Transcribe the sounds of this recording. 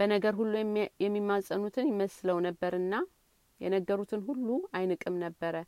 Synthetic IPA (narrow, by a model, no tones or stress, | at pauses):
b̥ənəɡəɾhulːujɛmːimːasʼənut̪ʰɨnjɪməsləwnəbːəɾɨnːa | jɛ̰nəɡːəɾut̪ʰɨnhulːuajnɨkʼɨmnəbːəɾə